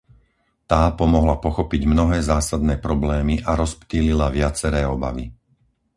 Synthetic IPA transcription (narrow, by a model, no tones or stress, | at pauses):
t̪aːpɔmɔɦlapɔxɔpiɟmnɔɦɛːzaːsad̪̚nɛːpɾɔblɛːmiʔaɾɔspt̪ililaʋɪat͡sɛɾɛːɔba̰ʋḭ